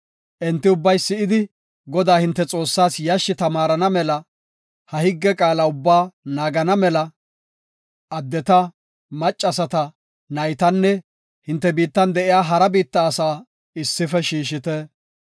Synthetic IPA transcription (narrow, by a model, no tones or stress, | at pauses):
ʔɛnt̪ːɪʊbːɐjsɪɪd̪ɪ | ɡɔd̪aːhɪnt̪ːɛt͡sʼo̞ːsːaːsjɐʃːɪt̪ɐmaːɾɐnɐmɛlɐ | hɐhɪɡːɛkʼaːlɐʊbːaːnaːɡɐnɐmɛlɐ | ɐd̪ːɛt̪ɐ | mɐt͡ʃʼːɐsɐt̪ɐ | nɐjt̪ɐnːɛ | hɪnt̪ːɛbiːt̪ːɐnd̪ɛʔɪjaːɦɐɾɐbiːt̪ːɐːsaː | ɪsːɪfɛʃiːʃɪt̪ɛ